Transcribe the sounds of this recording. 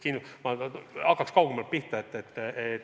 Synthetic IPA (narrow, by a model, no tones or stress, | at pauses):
kinumɑɑkːɑkskɑwɡemɑlt̪̚piht̪ɑet̪ːˑet̪ːet̪